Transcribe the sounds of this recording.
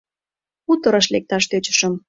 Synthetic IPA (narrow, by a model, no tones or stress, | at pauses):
ut̪əɾəʃlek̚t̪ɑʃt̪øt͡ɕə̥̆ʃəm